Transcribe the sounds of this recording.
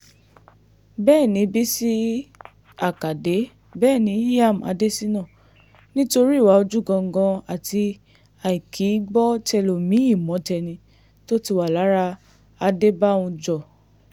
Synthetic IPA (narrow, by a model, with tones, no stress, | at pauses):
bɛː˦˨nĩ˨˧˦bi˦si˦ | a˨ka˨de˨˦ | bɛː˦˨nĩ˨˦ja˦˨m˨a̰˧de˦si˦nã˦˨ | nĩ˦to˧ɾi˦˨wa˨˦o˧d͡ʒu˦˨ɡɔ̃˧ŋ̩˦ɡɔ̃˧a˨tʰi˧ | a˨i˨kʰi˨˦ɡ͡bɔ˦tɛ˧lo˨mĩ˨˦i˦˨mɔ̃˨˦tɛ˧nĩ˧ | to˦ti˧wa˦˨la˨˦ɾa˦ | a˧de˦bã˦˨ũ˧d͡ʒɔ˦˨